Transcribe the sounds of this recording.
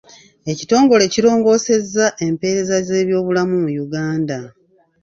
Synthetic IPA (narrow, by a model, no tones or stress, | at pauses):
e̞cito̞ːŋɡo̞le̞ciɾo̞ːŋɡo̞ːse̞zːaʔe̞mpe̞ːɾe̞zaze̞ːβjo̞ːβulamumujuɡaːnda